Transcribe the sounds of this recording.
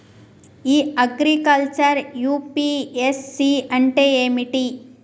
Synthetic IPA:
iːɐɡɾikɐlt͡ʃɐɾjuːpiesːiɐɳʈeːeːmiʈi

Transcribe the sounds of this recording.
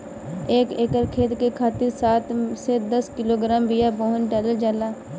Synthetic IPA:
eːkeːkəɾkʰeːd̪kekʰaːt̪ɪɾsaːt̪sed̪əskɪloɡɾaːmbɪjaboɦənʈɛləld͡ʒaːlaː

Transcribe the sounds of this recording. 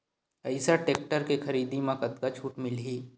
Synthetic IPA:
ɐɪsaʈeːk̚ʈəɾkexɐɾiːd̪imãkɐt̪kat͡ʃʰuːʈmɪlɦiː

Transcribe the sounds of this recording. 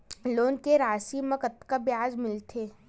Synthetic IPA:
loːnkeɾaːsimɐkət̪kabjaːzmɪlt̪ʰeː

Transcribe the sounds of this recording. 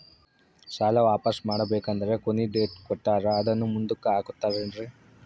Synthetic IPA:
ʃaːlɐʋaːpɐsmaːɽɐbeːkɐnd̪ɐɾe̞konːiɖeːʈ̚kɔʈːaːɾɐːd̪ɐnːumund̪ukɐaːkut̪ːaːɾɐɳɾe

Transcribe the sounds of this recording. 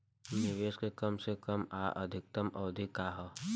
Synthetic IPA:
nɪʋeːskekɐmsekəmaːʔɐ̰d̪ʱɪk̚t̪əmɐːd̪ʱikaːɦə

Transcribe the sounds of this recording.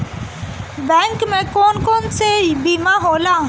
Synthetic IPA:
bɛ̃ːŋkmẽkoːnkoːnsebimãɦoːla

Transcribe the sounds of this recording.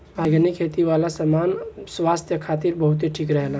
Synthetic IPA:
aːɡənikʰːeːt̪iʋaːlasamaːnswaːst̪ʰjəkʰaːt̪iɾbɐɦʊt̪ɦiʈʰiːkɾɛɦla

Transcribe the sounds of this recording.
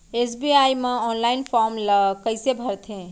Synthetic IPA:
esbiajmeɔnlaɪnpʰɔɾmlkəɪsebʱəɾt̪ʰẽ

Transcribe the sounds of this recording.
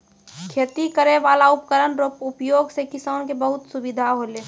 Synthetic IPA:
kʰeːt̪ikəɾeʋaːlaʊpkəɾənɾopʊpjoːɡsekɪsaːnkebəɦʊt̪subid̪ʱaɦoleː

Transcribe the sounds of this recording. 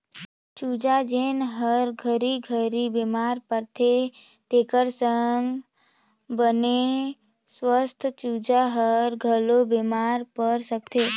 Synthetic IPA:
t͡ʃud͡ʒad͡ʒenɦəɾɡʱəɾiɡʱəɾibemaɾpəɾt̪ʰet̪ekəɾsəŋɡ | bəne | swəst̪ʰt͡ʃud͡ʒaɦəɾɡʱəlobemaɾpəɾsək̚t̪ʰe

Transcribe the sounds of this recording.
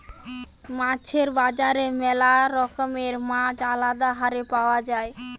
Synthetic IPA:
mãt͡ɕʰeɾbad͡ʑaɾemɛlaɾɔkomeɾmãd͡ʑalad̪aɦaɾepaoad͡ʑae

